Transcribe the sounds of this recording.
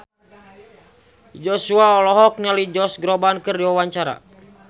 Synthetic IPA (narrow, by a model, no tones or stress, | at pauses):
d͡ʒɔsuaɔlɔɦɔk̚nalid͡ʒɔsɡɾɔbankɨrdiwawaɲt͡ʃaɾa̰